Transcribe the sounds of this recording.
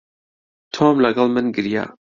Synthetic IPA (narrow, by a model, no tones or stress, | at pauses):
t̪ʰomlɐɡɑlˠmɨnɡɨɾja̰